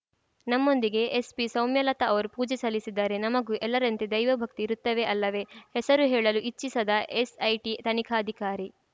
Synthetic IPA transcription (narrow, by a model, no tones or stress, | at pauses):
nɐmːo̞nd̪iɡe̞espisɐwmjɐlɐt̪ɐɐʋɐɾupuːd͡ʒesɐlːisid̪ːaːɾe̞nɐmɐɡuʔɛlːɐɾɐnt̪ed̪ɐjʋɐbʱɐk̚t̪iɾut̪ːɐʋe̞ʔɐlːɐʋe̞hɛsɐɾuɦɛːɭɐluʔit͡ʃːisɐd̪ɐʔesɐjʈit̪ɐnikʰaɐd̪ʱikaːɾi